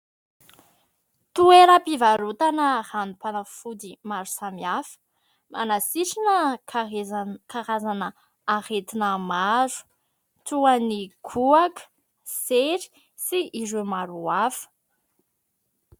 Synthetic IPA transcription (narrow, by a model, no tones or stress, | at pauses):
t̪ueɾapivaɾut̪anəhanupanəfud̪imaɾu̥samiafə̥ | mʔa̰nasiʈ͡ʂinə | kaɾazanə | ahet̪inəmaɾu̥ | t̪uanikʰuakə̥ | seɾi̥ | siizemaɾuafə̥